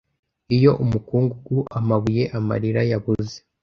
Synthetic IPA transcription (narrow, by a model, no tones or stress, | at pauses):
ijo̞ʔumukuːŋɡuɡuʔamaβuje̞ʔama̰ɾiɾajaβuze